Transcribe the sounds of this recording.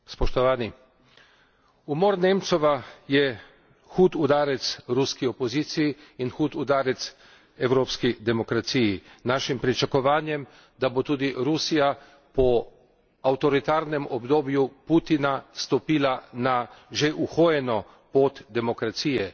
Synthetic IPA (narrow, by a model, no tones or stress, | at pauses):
spɔʃt̪ɔʋaːni | umoːɾnemt̪sɔʋajɛ | xuːt̪ud̪aːɾɛt̪sɾuskiɔpɔziːt̪sijiinxuːt̪ud̪aːɾɛt̪s | ɛwɾoːpskid̪ɛmɔkɾat̪sijinaːʃimpɾit͡ʃakɔʋaːnjɛm | d̪abot̪uːd̪iɾusija | pɔ | awt̪ɔɾit̪aːɾnɛmɔbd̪oːbjupuːt̪inast̪ɔpiːlanaʒeʔuxoːjɛnɔ | poːt̪d̪ɛmɔkɾat̪siːjɛ